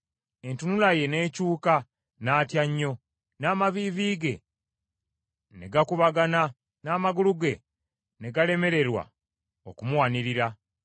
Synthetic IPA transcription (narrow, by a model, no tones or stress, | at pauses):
e̞ntunulaje̞ne̞ːcuːka | naːtjaɲːo̞ | naːmaβiviːɡe̞ | ne̞ɡakuβaɡana | naːmaɡuluɡe̞ | ne̞ɡale̞me̞ɾe̞ɾwa̰ | okumuwaniɾiɾa